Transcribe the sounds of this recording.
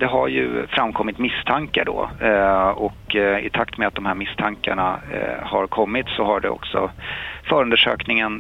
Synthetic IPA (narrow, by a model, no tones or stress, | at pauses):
d̪ɛɦaɾjɵ̰fɾamːkʰɔmːɪt̪mɪst̪ʰaŋkaɖɔ̰ː | ɔkɪ̰t̪ʰakt̪mɛat̪d̪ɔmhæːɾmɪst̪ʰaŋka̰ɳahaɾkʰɔmːɪt̪sɔhaɖɛ̰ɔ̰ksɔfœːɾɵnd̪əʂøːknɪŋən